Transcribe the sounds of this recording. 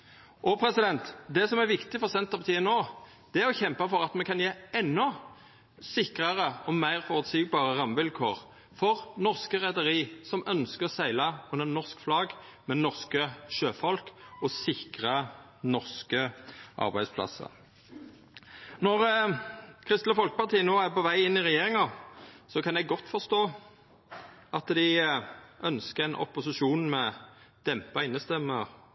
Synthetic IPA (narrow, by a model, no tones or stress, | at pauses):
ʔɔpʰɾɛsɪd̪ɛnt̪d̪ɛsɔmæɾʋɪkt̪ɪfɔʁsɛnt̪əpɑt̪ʰiːənːoː | d̪̥ɛæɾɔçɛmpɑfɔɾɑt̪mɛkʰɑnjeːɛnːɔ | sɪkʁɑʁəɔmæɪʁfɔʁʉt̪siːɡ̚bɑːʁəʁɑmʋɪlkʰoːʁ | fɔʁnɔʁskəʁɛd̪əʁiːsɔmʔœnskəʁɔsæɪlɑʉnənɔʁskflɑːɡmɛnɔʁskəʃøːfɔlkɔsɪkʁɑ | nɔʁskəʔɑ̰ʁbæɪspʰlɑ̰sə̰ʁ | nɔʁ | kʰʁɪst̪ləfɔlkəpɑʁt̪ʰiːənoːæpɔʋæɪɪnːɪʁɛjeːʁɪŋɑsɔkʰɑnjɛɡɡɔt̪ːfɔʁst̪oː | ɑt̪d̪ɪ | ʔœnskəʁæɪnʔɔ̰pːʊsɪʃuːnmɛd̪̥ɛmpɑɪnːəst̪ɛmːəʁ